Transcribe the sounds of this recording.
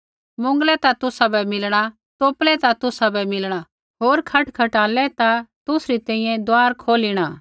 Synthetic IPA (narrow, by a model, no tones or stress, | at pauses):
mʊ̃ŋɡlɛt̪at̪ʊsabɛmɪlɽ̃a | t̪oːplɛt̪at̪ʊsabɛmɪlɽ̃a | ɦoːɾkʰɐʈkʰɐʈaːlɛt̪at̪ʊsɾit̪ɛ̃ĩːjɛ̃d̪aːɾkʰoːliɽ̃aː